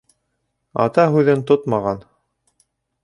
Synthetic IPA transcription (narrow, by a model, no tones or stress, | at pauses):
ɑ̰t̪ɑɦʉðɘnt̪ot̪mɑʁɑn